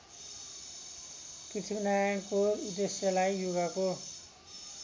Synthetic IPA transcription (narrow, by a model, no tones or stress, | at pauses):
kit̪ʰibnajʌñkoud̪esjʌlajjuɡako